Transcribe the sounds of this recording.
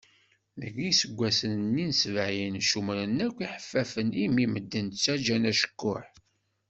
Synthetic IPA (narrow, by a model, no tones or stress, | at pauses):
ðəɡisəɡʷːæsənnːinsvʕjənʃumɾənækʷːiħə̥fːæfənimiməd̪ːənt͡sːæd͡ʒænæʃə̥kːʊħ